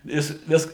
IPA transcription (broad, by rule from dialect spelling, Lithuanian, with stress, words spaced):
ˈjɪs ˈʋʲɪs